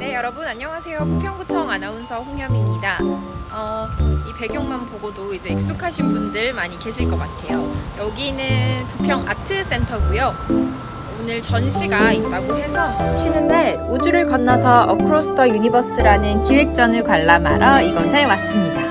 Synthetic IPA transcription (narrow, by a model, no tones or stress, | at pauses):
ne̞jʌɾʌbunaɲːʌŋasʰe̞jopupʰjʌŋbut͡ɕʰʌŋanaunsʰʌɸoŋjʌmimɲidaʌipe̞ɡjʌŋmanpoɡodoid͡ʑe̞ːk̚s͈ukʰaɕʰinbundɯɭmaɲike̞ɕʰiɭk͈ʌk͈atʰe̞jojʌɡinɯpupʰjʌŋʔa̰tʰɯs͈e̞ntʰʌɡujo | onɯɭt͡ɕʌnɕʰiɡait̚t͈aɡohe̞sʰʌɕʰinɯndeod͡ʑuɾɯɭkʌnːʌsʰʌʔʌ̰kʰɯɾosʰɯ̥tʰʌjuɲibʌs͈ɯɾanɯnkiɭek̚t͡ɕ͈ʌnɯɭkwaɭːama̰ɾʔʌiɡʌsʰewas͈ɯmɲida